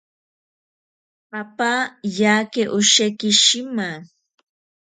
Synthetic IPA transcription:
apajaːkeʔʊʃekɪʃɪma

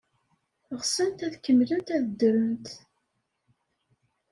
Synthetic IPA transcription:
ʁsənt̪æðkːəmːlənt̪æðəd̪ːɾənt̪

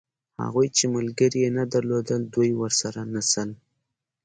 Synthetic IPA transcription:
ha̰ɣujt͡ʃemalɡəɾijenad̪aɾlod̪əld̪ujwəɾsaɾanasəl

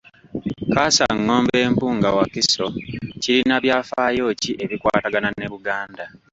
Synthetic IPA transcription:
kaːsa̰ŋːo̞ːmbe̞ːmpuːŋɡawakiso̞ciɾinaβjaːfaːjo̞ːciʔe̞βikwa̰ːtaɡanane̞βuɡaːnda

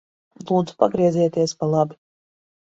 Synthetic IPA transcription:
lˠuːd̪zu̥paɡɾiɛzɛːt̪iɛspalˠabi

